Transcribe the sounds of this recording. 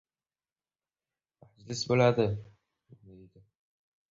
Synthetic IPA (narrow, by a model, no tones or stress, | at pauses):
mad͡ʒlɪsbolad̪ɪ | ɪbnejd̪ɪ